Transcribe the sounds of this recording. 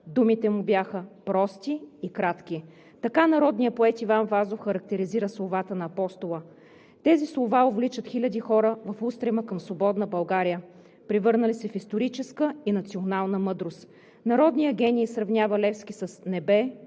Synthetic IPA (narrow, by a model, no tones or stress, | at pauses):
d̪umit̪ɛmubʲjaxəpɾɔst̪iːkɾat̪k̟i | t̪ɐkanɐɾɔd̪nijəpoɛt̪ivanvazofxɐɾɐk̚t̪ɛɾiziɾəslˠovat̪ənɐːpɔst̪olˠə | t̪ɛzislˠovaovlit͡ʃət̪xilʲəd̪ixɔɾəvɐfust̪ɾɛməkəmsvobɔd̪nəbɐlˠɡaɾijə | pɾivɤɾnəlisɛfist̪oɾit͡ʃɛskəinɐt̪sionalˠnəmɤd̪ɾost̪ | nɐɾɔd̪nijəɡʲɛniːsɾɐvnʲjavɐlɛfsk̟isəsnɛbɛ